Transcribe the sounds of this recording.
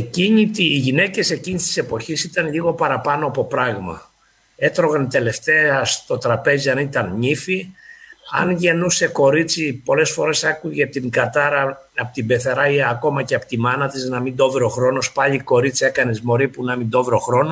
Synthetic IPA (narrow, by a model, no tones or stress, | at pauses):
eciɲit̪iːʝine̞ce̞se̞cinist̪i̥se̞po̞çisit̪ɐnʎiɣo̞pɐɾɐpɐnoɐpo̞pɾɐɣmɐ̰ | e̞t̪ɾo̞ɣɐnt̪e̞le̞ft̪e̞ɐst̪o̞t̪ɾɐpe̞ziɐnit̪ɐnɲifi | ɐ̰nʝe̞nuse̞ko̞ɾit͡sipo̞le̞sfo̞ɾe̞sɐkuʝet̪iŋɡɐt̪ɐɾɐ | ɐpot̪ibe̞θeɾɐiɐko̞mɐceɐpot̪imɐnɐt̪iznɐmind̪o̞vɾeoxɾo̞no̞spɐʎiko̞ɾit͡sie̞kɐnezmo̞ɾipunɐmind̪o̞vɾoxɾo̞no